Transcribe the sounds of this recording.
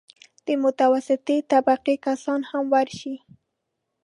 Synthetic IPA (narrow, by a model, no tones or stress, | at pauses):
d̪̥əmʊt̪awasɪt̪et̪abaqikasɑnhamwaɾʃi